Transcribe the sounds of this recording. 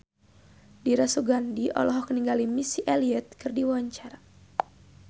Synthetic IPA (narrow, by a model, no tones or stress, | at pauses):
diɾasuɡandiʔɔ̰lɔɦɔkəniŋɡalimisiʔɛliɛt̪̚kɨrdiwaaɲt͡ʃaɾa